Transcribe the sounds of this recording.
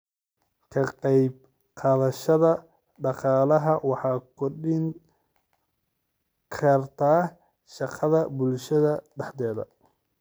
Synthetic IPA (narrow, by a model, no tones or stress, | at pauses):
kʰɐqɑjb̚ | qʰɑːðɐʃɐðɐ | ɖɑqɑːlɐɦɐwɑħɑːkʰɔrɖɪŋ | kʰɐrt̪ʰaː | ʃɑqʰɑðɐbʊlʃɐðɐɖɛħd̪ɛːðɐ̰